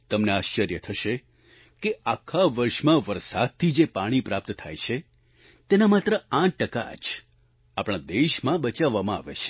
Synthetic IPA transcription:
t̪əmneaːʃt͡ʃəɾjət̪ʰəʃe | keakʰːaʋəɾʃmãʋəɾsa̰d̪̚t̪ʰid͡ʒepaɽ̃ipɾap̚t̪t̪ʰa̰jt͡ʃʰe | t̪enamat̪ɾəãʈ̚ːəka̰d͡ʒ | apɽ̃ad̪eʃmãbət͡ʃaʋːamãa̰ʋḛt͡ʃʰe̥

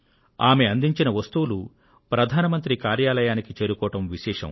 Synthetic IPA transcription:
aːmeɐnd̪iɲt͡ʃinɐʋɐst̪uwulu | pɾɐd̪ʱaːnɐmɐnt̪ɾikaːɾjaːlɐjaːnikit͡ʃeːɾukɔːʈɐmʋiʃɛːʂɐ̰m

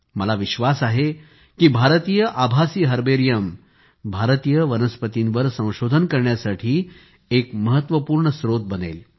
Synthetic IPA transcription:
məlaʋiɕʋasaɦe | kiːbʱaɾt̪iːjəʔabʱasiːɦəɾbeɾjəm | bʱaɾt̪ijəʋənəspət̪inʋəɾsə̃w̃ɕod̪ʱənkəɾɳjasaʈʰiː | ekməɦət̪ʋəpuːɾɳəsɾot̪̚bənḛl

